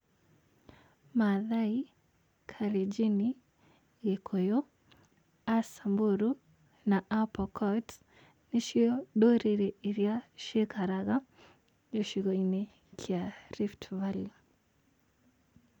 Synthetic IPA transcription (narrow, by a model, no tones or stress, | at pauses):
maðai | kʰaɾid͡ʒini | ɣekʰojɔ | asamboɾu | naʔapɔkʰɔt | niʃiɔɗoɾeɾeiɾjaʃekaɾaɣa | jɔʃiɣɔine | kʰiaɾiftvalu